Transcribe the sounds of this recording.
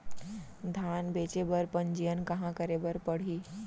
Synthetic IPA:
d̪ʱaːnbeːt͡ʃebəɾpəɲd͡ʒijənkɐ̃ɦãkəɾebəɾpəɽ̤iː

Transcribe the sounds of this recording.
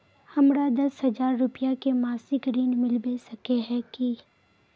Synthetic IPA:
hɐmɾad̪ɐsɦɐzaːɾːʊpijakemaːsɪkɾiːnmɪlbesɐkeɦɛ̃ki

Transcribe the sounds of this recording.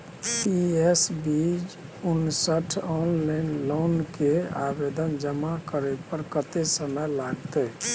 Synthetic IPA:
piesbid͡ʒunsəʈʰɔnlaɪnlonkea̰bed̪ənd͡ʒəmakəɾɛpəɾkət̪esəməjlaɡt̪e

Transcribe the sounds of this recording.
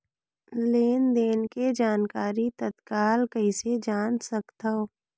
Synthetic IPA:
leːnd̪eːnked͡ʒaːnkaːɾit̪ət̪kaːlkəɪsed͡ʒaːnsɐkt̪aoː

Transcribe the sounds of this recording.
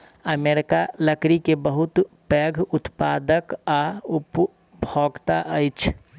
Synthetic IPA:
əmeɾɪkaləkɾikebəɦʊt̪pɛɡʱʊt̪paːd̪əkaʊp | bʱoɡt̪aʔəjt͡ʃʰ

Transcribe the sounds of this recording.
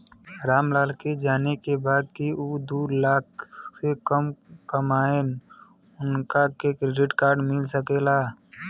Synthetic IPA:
ɾaːmlaːlked͡ʒaːnekebaːd̪̚kiuːd̪uːlaːksekəmkəmaːen | ʊnkakekɾeɖɪʈkaːɾɖmɪlsəkelaː

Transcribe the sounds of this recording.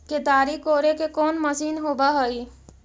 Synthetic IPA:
ked̪aːɾikoːɾekekɔːnməsiːnɦoːbaɦoi

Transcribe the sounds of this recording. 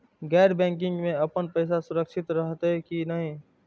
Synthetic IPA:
ɡɛːɾbɛ̃ːŋk̬ɪ̃ŋɡmẽəpənpəɪs̬asʊɾəkʃɪt̪ɾəɦt̪kinəɦĩ

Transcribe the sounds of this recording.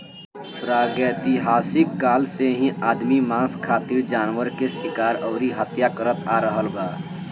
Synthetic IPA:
pɾaːɡɛt̪iɦaːsɪkːaːlseɦĩʔaːd̪mimãːskʰaːt̪iɾd͡ʒaːnwəɾkeʃɪkaːɾɔːɾiɦət̪jakəɾət̪aɾəɦəlbaː

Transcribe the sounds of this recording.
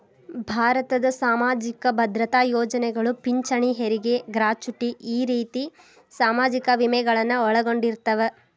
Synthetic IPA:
bʱaːɾɐt̪ɐd̪ɐsaːmaːd͡ʒikɐbʱɐd̪ɾɐt̪aːjɔːd͡ʒɐnɛɡɐɭupiɲt͡ʃɐɳiɦeɾiɡe̞ɡɾaːt͡ʃuʈiʔiːɾiːt̪i | saːmaːd͡ʒikɐʋimɛɡɐɭɐnːɐɔɭɐɡo̞ɳɖiɾt̪ɐʋe

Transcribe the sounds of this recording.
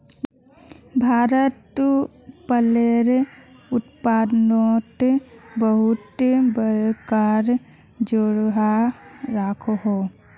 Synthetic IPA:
bʱaːɾət̪ | pəleɾʊt̪paːd̪not̪bəɦʊt̪bəɾkaɾ | d͡ʒoɾɦaɾaːkʰoɦo

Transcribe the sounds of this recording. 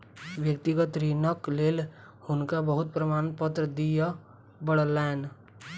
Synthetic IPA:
ʋjək̚t̪ɪɡət̪ɾinəkleːl | hʊnkabəɦʊt̪̚pɾəmaːnpət̪ɾəd̪ija | bəɽəlɛːn

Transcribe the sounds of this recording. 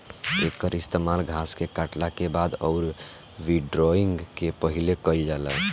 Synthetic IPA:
ekːəɾist̪emalɡʱaskekaʈlakebad̪ɔːɾ | ʋiɖɾoiŋɡkepəɦilekəld͡ʒalə̰

